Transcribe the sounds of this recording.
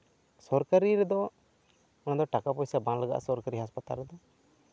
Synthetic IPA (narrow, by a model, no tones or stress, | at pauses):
sɔɾkaɾiɾɛd̪ɔ | ɔnad̪ɔʈakapɔjsabanləɡa̰ʔsɔɾkaɾiɦaspat̪a̰lɾɛd̪ɔ